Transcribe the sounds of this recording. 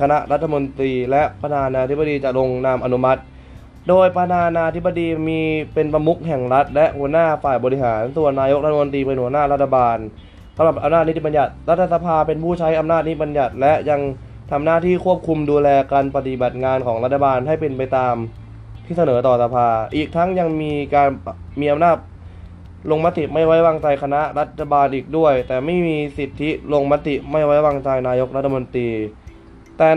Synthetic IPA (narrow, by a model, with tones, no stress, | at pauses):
kʰa˧na˦˥ʔɾa˦˥t̪ʰːa˧mo˧nt̪ɾiː˧lɛ˦˥ʔpɾa˧t̪ʰaː˧nːaː˧t̪ʰi˦˥ba˧˨diː˧t͡ɕa˨˩lo˧ŋnaː˧mʔa˧nu˦˥ma˦˥t̪̚ | doː˧jpa˧t̪ʰaː˧nːaː˧t̪ʰi˦˥ba˧diː˧miː˧pe˧npa˧mu˦˥k̚ɦɛ˨˩ŋɾa˦˥t̪̚lɛ˦˥ʔhu˨˩˦ənaː˥˩faː˨˩jbɔː˧ɾi˧˥ɦaː˩˦nsu˨˩ənːaː˧jo˦˥k̚ɾʰa˧mo˧nt̪̬ɾiː˧pe˧nhu˩˦ɐnaː˥˩ɾa˦˥t̪ʰːa˧baː˧n | sa˩˦mɾa˨˩p̚ʔa˧mnaː˥˩ni˦˥t̪i˨˩ba˧nja˨˩t̪̚ɾa˦˥t̪ʰːa˧sa˧pʰaː˧pe˧npʰuː˥˩t͡ɕʰa˦˥jʔa˧mnaː˥˩t̪̚ni˦˥˩ba˧nja˨˩t̪̚lɛ˦˥ja˧ŋ | t̪ʰa˧mnaː˥˩t̪ʰiː˥˩kʰu˥˩əp̚kʰu˧mduː˧lɛː˧kaː˧npa˧t̪i˨˩ba˨˩t̪̚ŋaː˧nkʰɔː˩˦ŋɾa˦˥t̪̚ʰːa˧baː˧nɦa˥˩jpe˧npa˧jt̪aː˧m | t̪ʰiː˥˩sa˧nɤː˩˦t̪ɔː˨˩sa˧pʰaː˧ʔiː˨˩k̚t̪ʰa˦˥ŋja˧ŋmiː˧kaː˧nmiː˧ʔa˧mnaː˥˩t̪̚ | lo˧ŋma˦˥t̪i˨˩ma˥˩jwa˦˥jwaː˧ŋt͡ɕa˧jkʰa˧na˦˥ʔɾa˦˥t̪ʰːa˧baː˧nʔiː˨˩k̚du˥˩əjt̪ɛː˨˩ma˥˩jmiː˧si˨˩t̪ʰːi˦˥lo˧ŋma˦˥t̪i˨˩ʔma˥˩jwa˦˥jwaː˧ŋt͡ɕa˧jnaː˧jo˦˥k̚ɾa˦˥t̪̚ʰːa˧mo˧nt̪ɾiː˧ | t̪ɛː˨˩